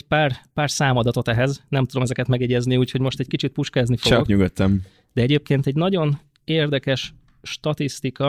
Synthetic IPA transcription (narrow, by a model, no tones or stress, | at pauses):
paːrpaːrsaːmɒd̪ɒt̪o̞t̪ɛɦɛznɛmt̪ud̪o̞mɛzɛkɛt̪mɛɡɛɟɛzniuːcho̞ɟmo̞ʃt̪ɛckit͡ʃit̪̚puʃkaːznifoɒɲuɡøt̪ːɛm | d̪ɛɛɟeːp̚keːnt̪ɛɟnɒɟo̞n | eːrd̪ɛkɛʃ | ʃt̪ɒt̪ist̪ikɒ